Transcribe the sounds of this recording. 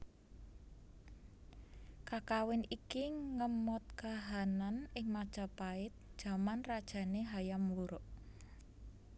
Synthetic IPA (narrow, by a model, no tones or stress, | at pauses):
kakawɪnikiŋəmɔt̪̚kaɦananɪŋmad̥ʒ̥a̤paɪt̪̚d̥ʒ̥a̤manrad̥ʒ̥a̤neɦajamuɾʊʔ